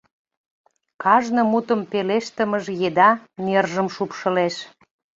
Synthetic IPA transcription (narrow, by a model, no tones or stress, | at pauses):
kɑʒnə̆mut̪ə̆mpeleʃt̪ə̆məʒjed̪ɑnerʒəmʃupʃə̆leʃ